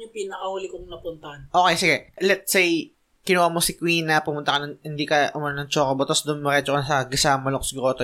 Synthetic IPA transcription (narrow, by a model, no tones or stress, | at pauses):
ɲʊpinɐkɐhuːlɪkʊŋnɐpʊnt̪ɐhanʔokejsɪɡɛlɛt̪̚sej | kɪnuwamosɪkwiːnɐpʊmʊnt̪ɐkɐnɐŋhɪnd̪iːkɐʔʊmannɐŋt͡ʃokɐbot̪osd̪ʊnmɐɾɛt͡ʃokɐnɐsɐɡɪsamɐloksɡɾot̪o